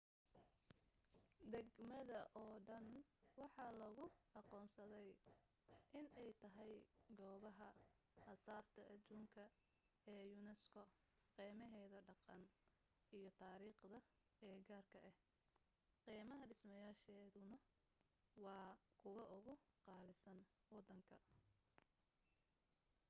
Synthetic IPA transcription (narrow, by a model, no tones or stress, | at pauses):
d̪ɛɡmɐðɐʔɔːɖɐnwɑħɑlɐɣʊɑqɔːnsɐðɛj | ʔɪnɛjt̪ʰɐɦɛjɡɔːβɐɦɐ | hɐsaːrt̪ʰɐʔɐd̪uːŋkʰɐ | ɛːjʊnɛskʰɔ | qiːmɐɦɛːðɐɖɑqɑn | ijɞt̪ʰaːɾiːχd̪ɐ | ɛːɡaːrkʰɐʔɛh | qiːmɐɦɐɖɪsmɐjaːʃɛːðʊnɐ | wɑːkʰʊwɐʔʊɣʊqɑːlɪsɐn | wɑd̪ːɐŋkʰɐ